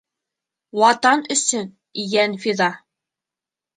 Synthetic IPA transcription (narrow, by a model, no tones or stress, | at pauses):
wɑt̪ɑnɵ̆sɵn | ijænfiðɑ